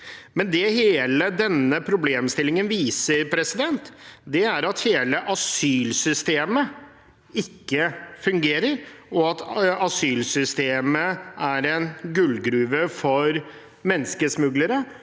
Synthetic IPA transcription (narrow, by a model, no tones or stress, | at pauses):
mɛnd̪ɛheːləd̪ɛnːəpʰɾʊbleːmst̪ɪlːɪŋənʋiːsəɾpʰɾɛsɪd̪ɛnt̪d̪ɛæɾɑt̪heːləʔɑsyːlsʏst̪eːmə | ɪkːəfʉŋɡeːɾəɾɔɑt̪ɑsyːlsʏst̪eːməæɾɛnɡʉlɡɾʉːʋəfɔɾ | mɛnːskəsmʉɡləɾə